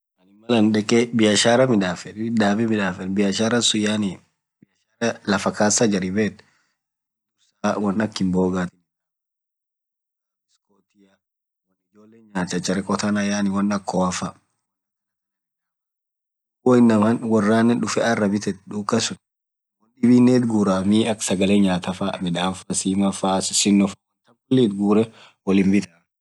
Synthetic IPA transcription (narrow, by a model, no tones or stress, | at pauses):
ɐnɪmɐlɐnᶑɛkʼɛbɪjɐʃaːɾɐmɪᶑ̪aːfɛᶑd̪aːbɛmɪᶑaːfɛnbɪjɐʃaːɾɐnsʊjaːni | bɪj | aɾɐlɐfɐkaːsad͡ʒɐɾɪbeːt̪ | dʊsawɐnːɐkːɪmboːɡat̪ɪn | skot̪ɪja | wɐnɪd͡ʒoːlːeːaːt͡ʃːɐt͡ʃːɐɾɛkʼɔt̪ɐnɐjaːnɪwɐnːɐkʰːɔːɐfɐ | woɪnːɐmɐnwɐrːaːnɛnᶑʊfɛʔɐrːɐbɪt̪ɛt̪ᶑuːkɐsʊn | wɐnᶑɪbiːnːeːt̪ɡuːɾamiːɐksɐɡɐleɲaːt̪ɐfamɛᶑaːfasiːmɐfaːssɪnːɔfɐwɐnt̪ɐŋkɔlːiːt̪ɡuːɾɛ | wɐlɪmbɪt̪ɐ